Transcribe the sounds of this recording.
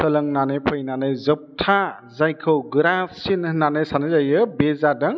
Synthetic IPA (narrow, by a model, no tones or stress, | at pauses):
səlɯŋnanepʰɯjnanezɯp̚tʰa | zajkʰɯwɡɯɾasinnanesanɯzajɯbezadaŋ